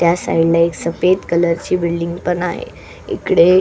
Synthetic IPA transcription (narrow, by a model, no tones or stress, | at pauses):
t̪jasa̰ilaeksəpet̪kələɾt͡ɕiːbilɖiŋɡpəɳaɦḛ | ḛkɽe